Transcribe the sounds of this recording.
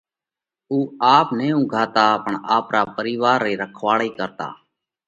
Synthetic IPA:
uːaːpnẽːũːɡʱaːt̪aːpəɳaːpɾaːpəɾiːʋaːɾːeːɾəkʰʋaːɽiːkəɾt̪a̰ː

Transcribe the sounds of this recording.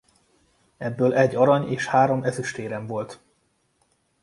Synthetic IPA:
ɛbːøːlɛɟːɒɾɒɲeːʃhaːɾo̞mɛzyʃt̪eːɾɛɱvo̞lt̪

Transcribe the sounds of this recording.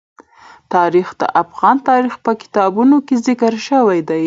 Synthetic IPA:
t̪ɑɾixd̪ə̰ʔafɣɑnt̪ɑɾixpəkɪ̥t̪ɑbunokezɪkəɾʃəwajd̪aj

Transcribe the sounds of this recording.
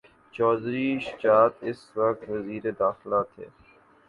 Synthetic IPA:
t͡ʃɔːd̪ɾiːʃt͡ʃaːt̪ɪsʋɐk̚t̪ʋɐziːɾed̪aːxlat̪ʰḛː

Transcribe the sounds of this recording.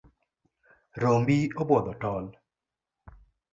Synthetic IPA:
ɾombiobwɔd̪ɔtɔl

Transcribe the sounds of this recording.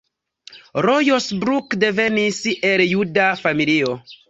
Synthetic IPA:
ɾojosbɾukde̞ve̞nisʔeljudafamilio̞

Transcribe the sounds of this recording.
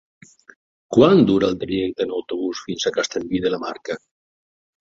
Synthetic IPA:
kwand̪uɾalˠt̪ɾaʒɛk̚t̪enawt̪oβusfinsakast̪ambiðelamaɾka

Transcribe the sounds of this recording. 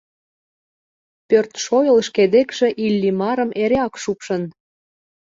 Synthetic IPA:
pørt̪ʃojəlʃked̪ekʃĕʔilʲːimɑɾə̆mʔeɾeɑkʃupʃɤn

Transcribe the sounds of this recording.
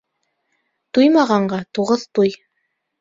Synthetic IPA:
t̪ujmɑʁɑɴɢɑt̪uʁɤðt̪uj

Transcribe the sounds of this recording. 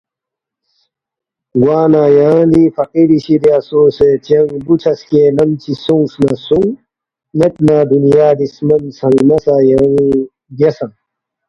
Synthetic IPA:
ɡwaːnaːjãːd̪ifɐqiɾiɕiɾjasoːset͡ɕɐŋbut͡ɕʰɐskenɐmt͡ɕʰisuŋsnaːsuŋ | net̪̚naːd̪unijaːd̪ismɐnsɐŋmɐsaːjaŋ | ɡɐsɐŋ

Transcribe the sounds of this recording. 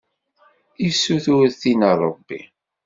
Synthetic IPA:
isːuθuɾθinəɾˤə̰bːḭ

